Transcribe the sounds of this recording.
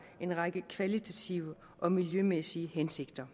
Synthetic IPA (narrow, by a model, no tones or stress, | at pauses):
e̝nʁɑ̈ɡ̥əkʰʋælit͡sʰæt͡sʰiʊə | ʔɒ̽miljømesiəhense̝ɡ̥d̥ɐ